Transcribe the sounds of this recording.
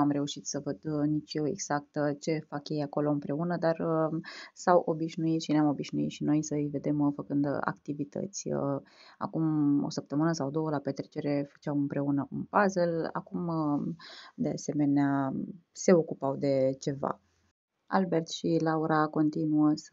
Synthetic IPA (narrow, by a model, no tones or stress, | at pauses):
amɾe̞uʃit̪səvəd̪nit͡ʃjewe̞̰ɡz̥ak̚t̪t͡ʃe̞fakje̞jako̞lo̞ɨmpɾe̞unəd̪arəsawʔo̞biʃnuit̪ʃineamo̞biʃnuit̪ʃino̞jsəɨjve̞d̪e̞mfəkɨnd̪a̰kt̪ivit̪ʰə̰t̪sʲəa̰kumo̞̰səp̚t̪əmɨnəsawd̪o̞wəlapet̪ɾet͡ʃe̞ɾe̞fə̥t͡ʃawɨmpɾe̞unəunpazela̰kumə | d̪e̞a̰se̞me̞nease̞o̞kupawd̪e̞t͡ʃe̞va̰ | a̰lbe̞rt̪ʃilauɾako̞nt̪inuəs